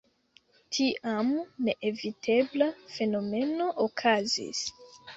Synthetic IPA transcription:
tʰiʔamne̞ʔevitʰe̞blafe̞no̞me̞no̞ʔokʰazḭs

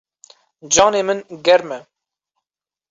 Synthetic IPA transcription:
d͡ʒɑːneːmɨnɡɛɾmɛ

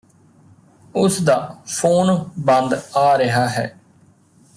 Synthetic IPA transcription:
ʊsd̪aːpʰoːnbənd̪aːɾəɦaːɦɛ̰ː

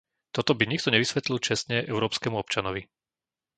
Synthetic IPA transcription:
t̪ɔt̪ɔbiɲik̚t̪ɔɲɛʋisʋɛt̪lilt͡ʃɛsɲɛʔɛʊɾɔːpskɛmuɔpt͡ʃanɔʋi

